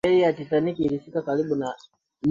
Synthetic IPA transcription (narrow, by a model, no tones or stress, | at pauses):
ɛijatitanikiːɾisikakaɾiɓuna | m